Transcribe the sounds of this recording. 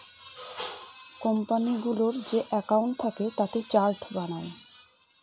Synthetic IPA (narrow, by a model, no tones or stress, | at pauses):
kɔmpaniɡuloɾd͡ʑeʔɛkauɳʈ̚t̪ʰaket̪at̪et͡ɕaɾʈbañae